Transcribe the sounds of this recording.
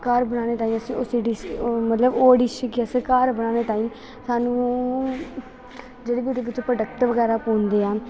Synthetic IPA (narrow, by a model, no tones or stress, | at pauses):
kaːɾbənaːneːt̪aːĩːəsĩːʊsiɖɪsmət̪ləboːɖɪʃkiəsəkaːɾbənaːneːt̪aːĩː | saːnũː | d͡ʒeːɽeːbiːʊd̪eːʋɪt͡ʃpɾəɖəkʈʋəɡɛːɾaːpõːnd̪eːaː